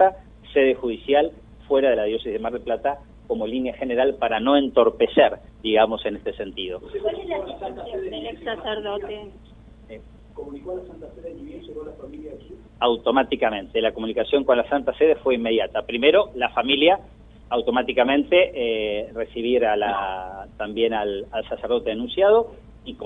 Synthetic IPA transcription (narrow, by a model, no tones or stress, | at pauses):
t̪a | se̞ðe̞xuðisjal | fwe̞ɾaðe̞laðjo̞sesizðemaɾðeplat̪a | ko̞mo̞linjaxe̞ne̞ɾalpaɾano̞e̞nt̪o̞ɾpe̞seɾ | d̪iɣamo̞se̞ne̞st̪ese̞nt̪iðo̞asaeleksaseɾðot̪e | e | komunikolasant̪aseðemjensokonlafamilja | awt̪o̞mat̪ikamẽ̞nt̪e̞lako̞munikasjo̞ŋko̞nlasant̪aseðefwe̞imːe̞ðjat̪apɾime̞ɾo̞lafamiljaː | wt̪o̞mat̪ikamẽ̞nt̪e̞ʔere̞siβ̞iɾalat̪ambje̞nalalsaseɾð̞o̞t̪eenũnsjað̞o̞ | ik